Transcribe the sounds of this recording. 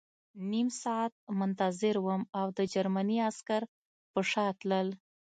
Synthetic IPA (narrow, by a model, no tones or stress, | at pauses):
nimsɑat̪̚mʊnt̪azɪɾwəmawd̪əd͡ʒaɾmaniaskaɾ | pəʂɑt̪ləl